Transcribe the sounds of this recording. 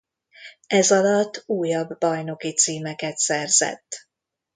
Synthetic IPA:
ɛzɒlɒt̪ːuːjɒbːɒjno̞kit̪siːmɛkɛt̪sɛrz̥ɛ̰t̪ː

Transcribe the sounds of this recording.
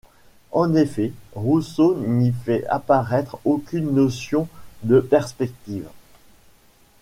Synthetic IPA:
ɑ̃nefɛʁusonifɛa̰paʁɛt̪χokʲynːɔsjɔ̃d̪əpɛʁspɛk̚t̪iv

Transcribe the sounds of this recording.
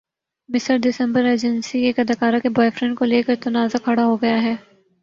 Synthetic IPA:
mɪsəɾd̪ɪsə̃mbəɾeːd͡ʒə̃nsieːkɐd̪ɐkaːɾakebɔːefɾɛ̃ɳɖkoleːkəɾt̪ɐnaːzakʰɐɽaɦoɡɐjaɦɛː

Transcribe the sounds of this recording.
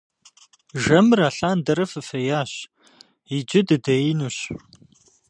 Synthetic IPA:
ʒɐmɨraːɬaːndɐɾɐfɨfɐjaːɕ | id͡ʒʼɪdɨdɐjɪnuːɕ

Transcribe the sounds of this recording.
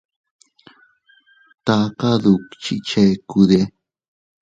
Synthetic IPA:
t̪ɑːqɑd̪ukt͡ʃit͡ʃajkud̪e

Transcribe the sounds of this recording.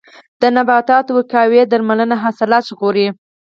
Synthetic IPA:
d̪̥ənabɑt̪ɑt̪owəkɑwed̪aɾmalənaɦasalat͡ʃɣoɾi

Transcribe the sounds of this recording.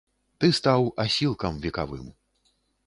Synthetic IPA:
t̪ɨst̪awasʲilˠkɐmvʲɛkavɨ̰m

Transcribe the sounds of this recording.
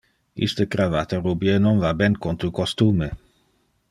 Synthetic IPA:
ḭst̪əkɾavat̪əɾubjenonvabɛnkont̪ukost̪uːme

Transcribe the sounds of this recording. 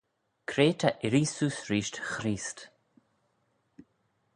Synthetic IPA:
kʰɾeːt̪ʰaʔɪɾiːsuːsɾiːʃtxɾiːst̪

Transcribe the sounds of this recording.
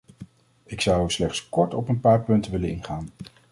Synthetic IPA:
ɪksɑwɛslɛχtskɔɹtɔpənpaːɹpɵntənʋɪlənɪnχaːn

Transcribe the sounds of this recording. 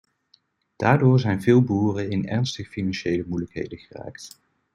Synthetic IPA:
d̥aːɹdʊːɹzɛjnvɪːlˠbuːrəɪnɛ̰ɹnstəχfinɑnʃejləmujləkɦḛjdəχəra̰ːkt

